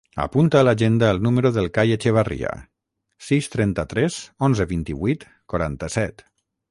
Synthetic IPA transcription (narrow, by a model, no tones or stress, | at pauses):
ə̰punt̪aːlaʒend̪aːlˠnuməɾuðəlˠkajet͡ʃeβ̞arḭa̰ | sist̪ɾɛnt̪ət̪ɾɛzonzəβint̪iβijt̪ | kwaɾant̪əsɛt̪